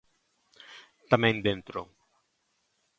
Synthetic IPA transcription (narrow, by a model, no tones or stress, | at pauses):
t̪amẽnd̪ẽnt̪ɾo